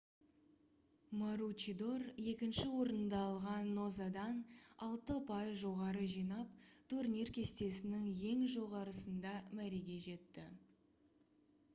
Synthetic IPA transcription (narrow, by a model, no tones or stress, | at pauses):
moɾut͡ʃid̪o̞rje̞kʲɪnʃɪwo̞ɾənd̪ɑːlˠʁɑnːo̞zad̪ɑnɑlˠt̪əpʰɑjzʒo̞ʁɑɾəʒijnɑpt̪ʰurnirkʲʰe̞st̪e̞sɪnɪŋje̞ŋʒo̞ʁɑɾəsənd̪ɑmæɾe̞ɡʲe̞ʒe̞t̪ːɪ̰